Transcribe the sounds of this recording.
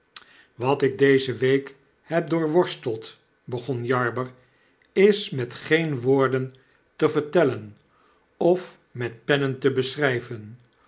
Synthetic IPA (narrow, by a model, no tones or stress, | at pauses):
ʋɑtɪɡ̚dejzəʋejk | hɛp̚dʊːɹʋɔɹstəlˠt | bəχɔnjɑɹbəɹ | ɪsmɛtχejnʋʊːɹdən | təvəɹtɛlən | ɔf | mɛt̚pɛnəntəbəsrɛjvən